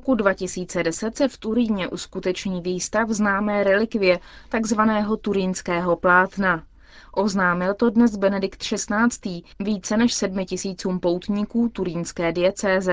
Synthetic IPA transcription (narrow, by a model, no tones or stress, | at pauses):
okudvacɪsiːt͡sɛdɛsɛt̪sɛft̪uɾiːɲɛʔuskut̪ɛt͡ʃɲiːviːst̪afznaːmɛːɾɛlɪkvɪjɛt̪aɡzvanɛːɦo̞t̪uɾiːnskɛːɦo̞plaːt̪na | ʔo̞znaːmɪlt̪o̞dnɛsbɛnɛdɪkt̪ʃɛst̪naːt͡st̪iːviːt͡sɛnɛʃsɛdmɪcɪsiːt͡suːmpo̞wt̪ɲikuːt̪uɾiːnskɛːdɪjɛt͡sɛːzɛ